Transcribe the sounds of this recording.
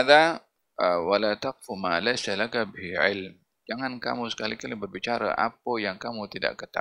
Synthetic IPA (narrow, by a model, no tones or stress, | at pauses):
aða | əwalat̪aq̚fumalajsalakabɪhʕɪlm | d͡ʒaŋanka̰musə̥kalikalibərbit͡ʃaɾa̰ʔa̰pəjaŋkamut̪ida̰ʔkət̪a̰